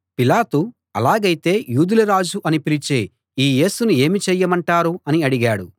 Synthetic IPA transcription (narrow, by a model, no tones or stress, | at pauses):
pilaːt̪u | ɐ̰laːɡɐjt̪e̞ːjuːd̪uluɾaːd͡ʒuʔɐnipilit͡ʃeː | iːje̞ːsunue̞ːmit͡ʃɛjːɐmɐɳʈaːɾuɐniɐɽiɡaːɽṵ